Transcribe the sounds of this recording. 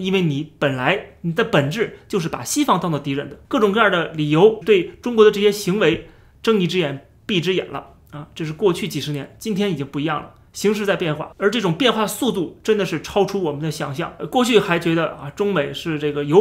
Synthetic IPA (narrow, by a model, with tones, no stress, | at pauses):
i˥nwe˥˩ɪni˨˩˦pə˨˩nla˧˥ɪni˨˩d̪ə˦˧pə˨˩nʈ͡ʂɻ̩˥˩t͡ɕjo˥˧ʊʂɻ̩˥˩pa̰˨˩ɕi˥fɑ˥˧ŋt̪ɑ˥˧t͡sɑ˥˩ʊt̪i˧˥ɻə˧˥nd̪ə̥˦kɤ˥˩ʈ͡ʂʊ˨˩ŋkɤ˥˧ja˞˥˩d̪ə˩li˨˩jo˧˥ʊt̪we˥˩ɪʈ͡ʂʊ˥ŋk̬wɔ˧˥d̪ə˧ʈ͡ʂɤ˥˩ɕjɛ˥ɕi˧˥ŋwe˧˥ɪ | ʈ͡ʂɤ˥˧ŋi˥˩ʈ͡ʂɻ̩˥jɛ˧˥n | pi˥˩ʈ͡ʂɻ̩˥jɛ̰˨˩nlʔə̰˦ | ɐ˧ʈ͡ʂɤ˥˧ʂɻ̩˥˧kwɔ˥˧t͡ɕʰy˥˩t͡ɕi˨˩ʂɻ̩˧˥njɛ˧˥nt͡ɕi˥nt̪ʰjɛ˥ni˨˩t͡ɕi˥ŋpu˥˩i˧˥jɑ˥˩ŋlə̰˩ | ɕi˧˥ŋʂ̬ɻ̩˧˥t͡sa˥˧ɪpjɛ˥˧nxwa̰˥˩ə˞˧˥ʈ͡ʂɤ˥˩ʈ͡ʂʊ˨˩ŋpjɛ˥˧nxwa˥˩d̪əsu˥˧t̪u˥˩ʈ͡ʂə˥nd̪ə˨ʂɻ̩˥˩ʈ͡ʂʰɑ˥ʊʈ͡ʂʰu˥wɔ˨˩mə˦nd̪ə˧ɕjɑ̰˧˥ŋɕjɑ̰˥˩ŋkwɔ˥˧t͡ɕʰy˥˩xa˧˥ɪt͡ɕɥɛ˧˥d̪ə˧a̰˧ʈ͡ʂʊ˥ŋme˨˩ɪʂɻ̩˥˧ʈ͡ʂɤ˥˩ɡə˩jo˧˥